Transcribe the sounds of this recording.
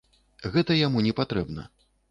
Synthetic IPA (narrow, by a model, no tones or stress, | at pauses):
ɣɛt̪ɐjamunʲɛpat̪ɾɛbnɐ̰